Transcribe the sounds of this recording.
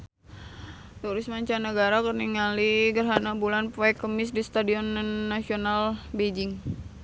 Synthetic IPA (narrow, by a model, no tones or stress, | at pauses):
t̪uɾɪsmaɲt͡ʃanəɡaɾakərniŋaliɡərɦanabulanpoɛkːəmɪs̬dist̪adiɔnnːasionalbed͡ʒɪŋ